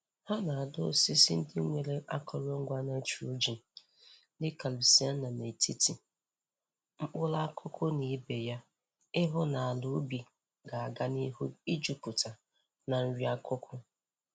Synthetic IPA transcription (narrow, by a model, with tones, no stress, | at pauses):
ha˦na˨a˨dʊ˦o˦si˦si˦n̩˦dɪ˦ŋʷe˨ɾe˦ʔa˦kʰɔ˨ɾo˦ŋ̩˦ɡʷa˦na˦t͡ʃɾo˦d͡ʒi˨n̩˨˦ | dɪ˦ka˨li˨si˦a˦nnːa˨ne˨ti˦ti˨ | ŋ͡m̩˦k͡pʊ˦la˦kʰʊ˦kʰʊ˦ni˨˦be˨ja˦ | ɪ˦ɦʊ˦na˨a˨lu˨˦bi˨ | ɡa˨a˨ɡa˦ni˦ɦu˦i˦d͡ʒu˦pu˨ta˨ | na˨n̩˦ɾi˦a˦kʰʊ˦kʰʊ˦